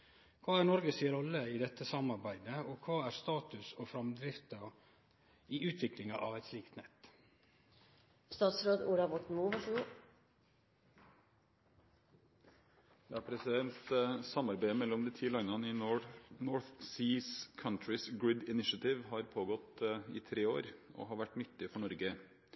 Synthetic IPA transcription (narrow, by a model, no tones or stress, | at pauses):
kʰʋɑːæɾnɔɾɡəsiɾɔlːəɪd̪ɛt̪ːəsɑmɑɾbæɪd̪əɔkʰɑːæɾst̪ɑːt̪ʉsɔfɾɑmd̪ɾɪft̪ɑ | iːʔʉːt̪ʰʋɪklɪŋɑʔɑʋɛt̪sliːkt̪nɛ̰t̪ː | st̪ɑːt̪sɾoːd̪uːɖɑbɔʈn̩muːʋɑʂəɡo | d̪ɛæpʰɾɛsɪd̪ɛnt̪sɑmːɑɾbæɪmɛlːɔmd̪ɪːt̪ʰiːlɑŋnɑnəɪnɔɹθsiːskʰɑnt̪ɹɪsɡɹɪd̪ɪnɪʃɑt̪ɪʋɦɑɾpʰoːɡɔt̪ɪt̪ʰɾeːo̰ːɾɔ̰ɦɑɾʋæʈːnʏt̪ːɪfɔɳɔɾɡə